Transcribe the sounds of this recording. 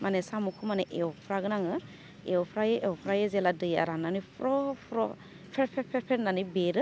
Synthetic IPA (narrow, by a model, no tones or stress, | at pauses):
manesamukʰumaneʔewɔpʰɾaɡɯnaŋɯ | ewpʰɾajeʔewpʰɾajezeladɯja̰ɾanːanipʰɾɔpʰɾɔ | pʰeɾpʰepʰeɾpʰeɾnanibeɾɯ